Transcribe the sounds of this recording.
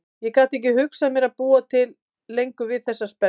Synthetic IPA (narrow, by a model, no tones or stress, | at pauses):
jɛkaːt̪ehcɪhʏksamjɛɾaðpuːat̪ʰɪlː | ejŋkʏvɪðθɛsːaspɛ